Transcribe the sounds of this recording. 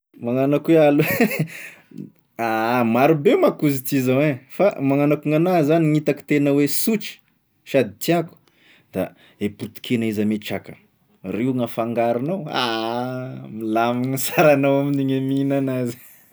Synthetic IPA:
maŋanakweale | amaɾubemakuzit̪izawefamaŋanakuŋanazaniŋit̪aki̥t̪enəwesut͡ʃi̥ | ʃad̪it̪iaku̥ | d̪̥a̰ | eput̪i̥kʰenaizameʈ͡ʂa̰kə | reŋafaŋɡaɾinawa | milamiŋəsaɾanawaminiɲaminanazi̥

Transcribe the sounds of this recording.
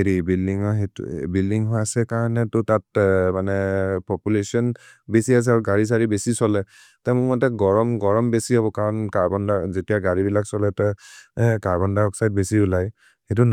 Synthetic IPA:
eɹibildiŋɔɦetbildiŋɦɔasɛkaɹɔnɛtʊtat̚manɛpɔpulesiɔn | besias̬ɛaɹuɡaɹis̬aɹibesisɔlɛ | tɛmʊkmɔtɛɡɔɹɔmɡɔɹɔmbesihɔbɔkaɹɔnkaɹbɔndazetijaɡaɹibilaksɔlɛtɛ | kaɹbɔndaɔksajd̚besiʊlaj | xet̬un

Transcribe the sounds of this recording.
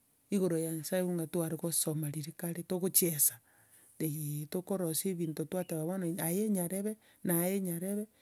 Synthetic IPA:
iɣoɾojaɲasaeβuŋɡatwaɾeɣosomaɾiɾekaɾetoɣot͡ʃiesḁ | etokoɾoseβiːntotwateβaβanaajeɲaɾeβe | najeɲaɾeβe

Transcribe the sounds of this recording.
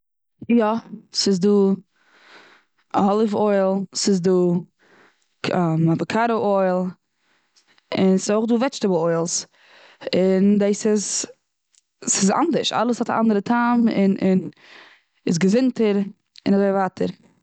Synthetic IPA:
jɔsɪzduː | hɔlˠɪfɔɪlˠsɪzduː | amabəkʰaɾəʔɔɪlˠ | ɪnsɪzoʊχduːvɛt͡ʃtəbl̩ˠɔɪlˠs | ɪndaɪsɪz | sɪza̰ndəɾʃa̰lˠəshɔta̰ʔa̰ndəɾətʰamɪ̰nʔɪn | ɪsɡəzɪntəɾ | ɪnazoɪvaːtʰəɾ

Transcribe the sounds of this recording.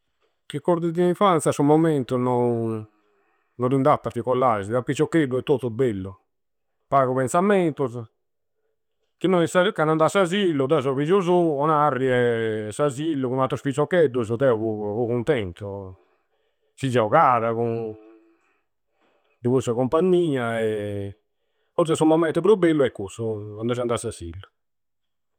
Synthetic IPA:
kikːɔɾd̪id̪iĩfant̪sjasumɔmɛnt̪unɔ | nɔrind̪at̪ːafikɔlːaziðapːit͡ʃːɔkːebːuɛt̪ːot̪ːɔbelːu | paːɣɔpɛnsamɛnt̪uz | k̟inːɔisakanand̪asazilːud̪ɛzɔβid͡ʒuzuɔnarːiɛsazilːukunat̪ɾɔsfisɔkːɛd̪ːuzɔt̪ɛuβuukunt̪ɛnt̪u | sizɛɔkaːɾaku | d̪ivusakumpaɲːiːaɛ | ɔɾs̬ɛsumɔmːɛnt̪ɛpɾubːelːuɛkːosɔand̪ɔʃ̬iand̪asasḭlːu

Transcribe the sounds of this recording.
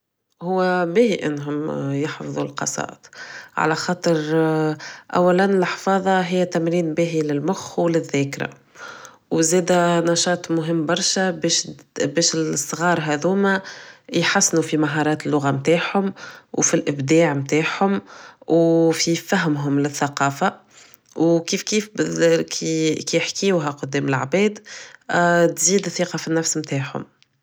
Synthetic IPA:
hʊwːæbihiʔɪ̰nːɦʊmjɑħfðˤulqɑ̰sˤɑ̰ːʔt̪ʕa̰læxɑːt̪ˤəɾ | ʔæ̰wːælænɪlħfɑːðˤɑɦɪjːæt̪æmɾiːnbæːɦilɪlmʊxwlɪðːæːkɾa̰ | wzɛːd̪ænɑʃɑːt̪ˤmʊɦɪmːbɑɾˤʃæbɛʃbɛːʃɪsˤːɣɑːɾˤɦæd̪uːmæjħasːnufimaɦɑːɾˤɑːt̪ɪlːʊɣamt̪aːʕhʊmwfilʔɪbd̪aːʕmt̪aːʕhʊmwfifæɦmɦʊmlɪθːaqɑːfa | wkiːfkiːfbkʰikijħkɪjuːɦæqʊd̪ːɛːmɪlʕbɛːd̪ | t̪ziːd̪θːiːqɑfinːæfsmt̪aːʕhʊ̰m

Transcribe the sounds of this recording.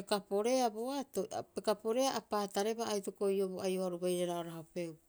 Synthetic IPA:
ekapo̞ɾe̞aboatopekapo̞ɾe̞aʔapaːtaɾe̞baːjtoko̞joboajoaɾubajɾeɾaoɾaɦope̞w

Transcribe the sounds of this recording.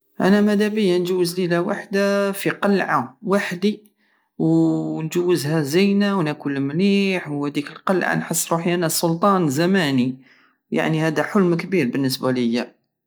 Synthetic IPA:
ʔæ̰næmæd̪æbəjːænʒuwːəzlilæwa̰ħd̪afiqɑlʕawaħd̪i | wnʒəwːəzhæzæjnæwnækulmliħwhæd̪ikəlqɑlʕa̰nħəsːɾuħiʔænæsˤʊlt̪ˤɑnzæmæni | ja̰ʕnihæd̪æħʊlmkbiɾbənːəs̬bæləjːæ

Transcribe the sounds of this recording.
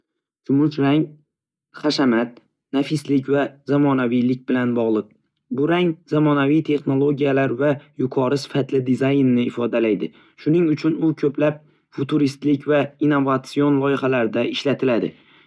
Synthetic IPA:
sʰʊmʊt͡ʃɾaŋ | χaʃamat̪̚ | nafɪslɪkʲvazamɒnavijlɪk̚ʲbɪlanbɒʁlˠɨq̚ | bʊɾaŋz̥amɒnavijt̪ʰe̞χno̞lˠo̞ɡʲijalaɾvajʊqʰɒɾɪsɪ̥fat̪lɪd̪izajnːɪːfɒd̪alajd̪ɪ | ʃʊnɪŋʊt͡ʃʰʊnʊkʲʰɵpʰlap̚ | fʊt̪ʰuɾist̪lɪkʲvainːovat̪sijo̞nlˠɒjɪχalaɾɪd̪aɪʃlat̪ʰɪlad̪ɪ̰

